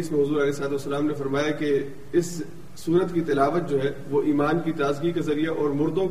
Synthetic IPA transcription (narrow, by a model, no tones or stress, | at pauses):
smẽɦʊzuːɾɐlɛːsəlaːt̪uʋɐsːəlaːmnefɐɾmaːjake | ɪsː | uːɾət̪kit̪ɪlaːʋət̪̚d͡ʒoːɦɛʋoʔiːmaːnkit̪aːzɡikazɐɾijaʔɔːɾmʊɾd̪õ